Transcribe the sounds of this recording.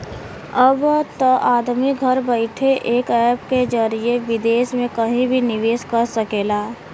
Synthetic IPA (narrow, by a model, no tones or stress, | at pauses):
əbt̪oʔaːd̪miɡʱəɾbəɪʈʰeʔeːkɛːpked͡ʒəɾieʋɪd̪eːʃmẽkəɦĩbʱinɪʋeːskəɾsəkeːlaː